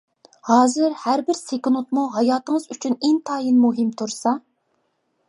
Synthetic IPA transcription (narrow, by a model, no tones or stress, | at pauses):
hɑːzɪɾhæɾbɪɾsekʊnut̪muɦɑjɑːt̪əŋəzyt͡ʃʰyneŋt̪ʰɑːjinmuɦɪmt̪ʰuɾsɑ